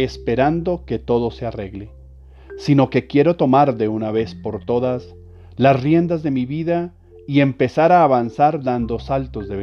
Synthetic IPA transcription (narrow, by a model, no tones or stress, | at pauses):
espe̞ɾand̪o̞ke̞t̪o̞ðo̞se̞are̞ɣle | sino̞ke̞kje̞ɾo̞t̪o̞maɾðe̞unaβe̞spo̞ɾt̪o̞ðas | lasrje̞nd̪azðe̞miβiða | ie̞mpe̞saɾaːβansaɾd̪and̪o̞salt̪o̞zðe̞βe